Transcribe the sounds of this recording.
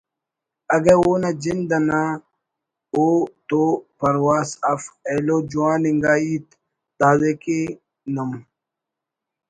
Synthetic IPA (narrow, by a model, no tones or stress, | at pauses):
ɐɡɐwoːnad͡ʑind̪ɐna | oːt̪opɐɾwaːsɐfeloːd͡ʒuwãːniŋɡaːiːt̪ | d̪aːzeke | nɐm